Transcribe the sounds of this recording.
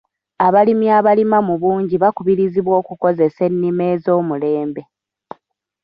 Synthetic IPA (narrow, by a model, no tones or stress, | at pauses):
aβalimiaβalimamuβuːɲɟiβakuβiɾiziβwo̞ːkuko̞ze̞se̞nːime̞ːzo̞ːmule̞ːmbe̞